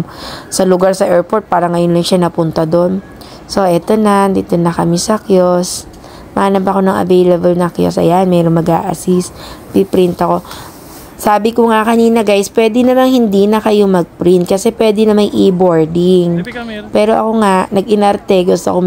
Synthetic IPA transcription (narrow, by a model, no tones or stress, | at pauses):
sɐlʊɡaɾsɐʔɛɹpoɹt̪̚paːɾɐŋɐjonlɐŋʃanɐpʊnt̪ɐd̪o̞n | so̞ʔɛt̪o̞nand̪it̪onɐkɐmisɐkjos | mɐʔaːnɐbɐko̞nɐŋɐ̰vejlɐbɐlnɐkjo̰sʔɐ̰jaʔɐnmɛːɾonmɐɡʔa̰ːʔɐ̰sist̪̚pɪpɾɪnt̪ɐko̞ | saːbɪkoŋakɐniːnɐɡajspwɛːd̪ɪnɐmaŋhɪnd̪inɐkɐjo̞mɐɡ̚pɾint̪̚kɐsɛpwɛːd̪ɪnɐmaɡʔɪbo̞ɹd̪ɪŋpɛːɾo̞ʔɐko̞ŋaʔnɐɡɪnɐɾt̪ɛɡʊst̪o̰ko